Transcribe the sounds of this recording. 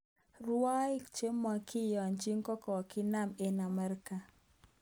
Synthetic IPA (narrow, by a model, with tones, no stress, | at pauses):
ɾa˦i˦kt͡ʃe˦mːa˨kʰi˦jɔ˨nd͡ʒi˦ŋkɔ˦kɔ˨kɪ˦na˦˨me˨na˨mɛ˨ɾka˨